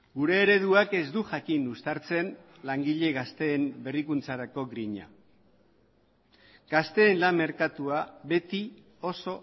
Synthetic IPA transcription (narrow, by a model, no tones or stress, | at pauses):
ɡuɾe̞ːɾe̞ð̞uake̞zd̪uʝakinust̪aɾt͡se̞n | laŋɡiʎe̞ɣast̪e̞ːmbe̞rikunt͡saɾako̞ɣɾiɲa̰ | ɡ̥ast̪e̞ːnlamːe̞ɾkat̪uaβe̞t̪i | o̞so̞